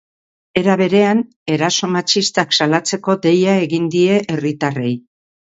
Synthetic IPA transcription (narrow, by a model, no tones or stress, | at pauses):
e̞ɾaβe̞ɾe̞an | e̞ɾaso̞mat͡ʃist̪aksalat͡se̞ko̞d̪e̞jae̞ɣind̪ie̞ʔerit̪are̞j